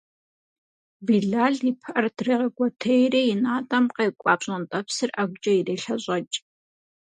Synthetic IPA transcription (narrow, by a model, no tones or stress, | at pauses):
biɮaːɮipʰʔɐrdriːʁɐɡʷɔtʰɐjrijɪnaːtʼɐmqejkʷʼɑːpɕʼɐntʼɐpsɨrɐɡʷʊd͡ʒʼɐjireːɬɐɕʼɐt͡ʃʼ